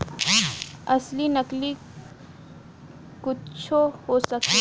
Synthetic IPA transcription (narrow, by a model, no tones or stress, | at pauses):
ɐslinəkli | kʊt͡ʃʰohosək̪e